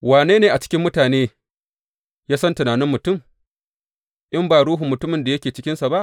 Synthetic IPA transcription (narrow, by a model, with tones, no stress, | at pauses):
waː˨neː˦neː˨ʔa˨t͡ʃɪ̥˦kʲɪ˦mːʊ˦taː˨neː˦ | jaː˦sɐ˦ntʊ˨naː˨nɪ˦mːʊ˨tʊ˦˨m | ʔɪ˦mbaː˨ɽuː˦ɦʊ˨mːʊ˨tʊ˦mɪ˨nda˨jɐ˦kʲeː˨t͡ʃɪ˦kʲɪ˦nsa˨ba˦ʔ